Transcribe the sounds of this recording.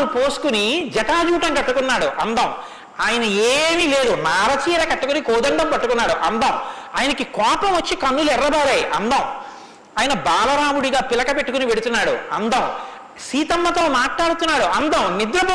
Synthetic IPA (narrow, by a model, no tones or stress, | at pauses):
upoːsu̥kunid͡ʒɐɛʈaːd͡ʒuːʈɐŋkɐʈːukunːaːɽuʔɐnd̪ɐm | aːjɐnɐeːmile̞ːd̪unaːɾɐt͡ʃiːɾɐkɐʈːukunikoːd̪ɐɳɖɐmpɐʈːukunːaːɽuʔɐnd̪ɐmaːjɐnɐkikɔːpɐmʋɐt͡ʃːikɐnːulɛrːɐbaːɾɐjʔɐ̰nd̪ɐm | aːjɐnɐbaːlɐɾaːmuɽiɡaːpilɐkɐpe̞ʈːukuniʋe̞ɽut̪unːaːɽṵɐnd̪ɐm | siːt̪ɐmːɐt̪o̞ːmaːʈɭaːɽut̪unːaːɽuʔɐnd̪ɐmnid̪ɾɐbɐ